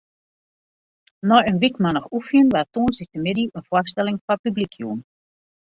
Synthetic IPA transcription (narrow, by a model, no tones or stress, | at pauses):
nɔjənʋikmanɔxufiənʋatuːnsitəmɪdiʔənforstɛlɪŋfapyblikʰjṵːn